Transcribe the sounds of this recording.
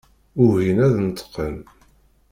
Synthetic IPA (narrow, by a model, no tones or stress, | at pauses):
ʊɦinæðnt̪ːqːən